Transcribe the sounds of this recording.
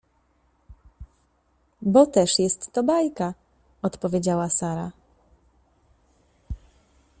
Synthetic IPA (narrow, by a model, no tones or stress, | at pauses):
bɔt̪ɛʂjɛst̪ːɔbajka | ɔt̪pɔvʲjed͡ʑawasaɾa̰